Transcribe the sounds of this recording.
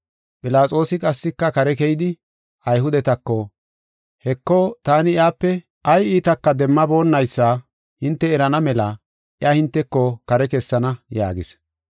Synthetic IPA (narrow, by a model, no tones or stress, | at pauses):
pʼɪlaːt͡sʼo̞ːsɪkʼɐsːɪkːɐkɐɾɛkɛjɪd̪ɪ | ɐjɦʊd̪ɛt̪ɐkːɔ | hɛkːɔt̪aːnɪɪjaːpːɛ | ɐjiːt̪ɐkːɐd̪ɛmːɐbo̞ːnːɐjsːaː | hɪnt̪ːɛɛɾɐnɐmɛlɐ | ʔɪahɪnt̪ːɛkːɔkɐɾɛkɛsːɐnɐja̰ːɡɪ̰s